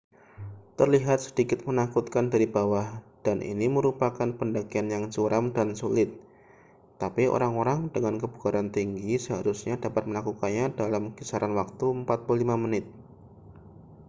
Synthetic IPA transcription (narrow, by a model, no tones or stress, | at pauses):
t̪ərliɦat̪̚sə̥dikɪt̪̚mənakut̪̚kandaɾibawahd̥anʔḭniməɾupakanpəndaɡianjaŋt͡ʃuɾʔamdansulɪt̪̚ː | apio̰ɾaŋoɾaŋdəŋankəbukaɾant̪iŋɡisəɦaɾusɲadapat̪̚məlakukanɲadalamkisaɾanwak̚t̪uəmpat̪̚pullimamənɪt̪̚